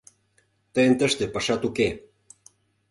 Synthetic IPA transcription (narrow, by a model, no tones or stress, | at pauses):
t̪əjənt̪ə̆ʃt̪ĕpɑʃɑt̪uke